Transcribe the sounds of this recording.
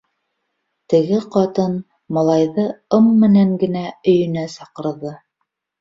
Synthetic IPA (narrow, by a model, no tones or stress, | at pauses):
t̪ɘ̆ɡɘqɑt̪ɤn | mɑlˠɑjðɤɤmːɘ̆næŋɡɘ̆næɵ̆jɵ̆næsɑqɤ̆ɾðɤ